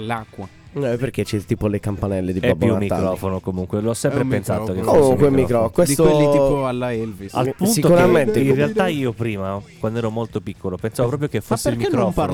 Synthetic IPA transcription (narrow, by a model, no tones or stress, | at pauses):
lakːwa | nɛpːerket͡ʃɛt̪iːpolekampanɛlːed̪iɛabjumːiɾɔːfonokomuŋkweloɔsːɛmpɾeppensa̰ːt̪okekomuŋkwemːikɾɔkwest̪oalːɛlvia̰lpunsiokuɾament̪einrealt̪aiːopɾiːmakwand̪oɛːɾomolt̪opikʰːolopensaːvopɾɔːpɾjokefːosːeilmikɾɾɔːfn